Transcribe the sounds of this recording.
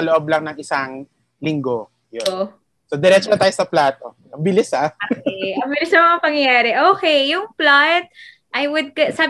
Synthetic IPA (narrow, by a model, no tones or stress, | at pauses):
ɐloʔob̚lɐŋnɐŋʔɪsaŋ | lɪŋɡo̞ | jo | sod̪ɛɾɛt͡ʃopɐt̪aːjosɐplaːt̪o̞ | ʔɐbɪlɪsaʔɐbɪlɪsnɐmɐŋapɐŋjɐjaːɾɛʔoːkɛjʊŋplat̪̚ | ʔɐjwʊd̪̚kɐsaːb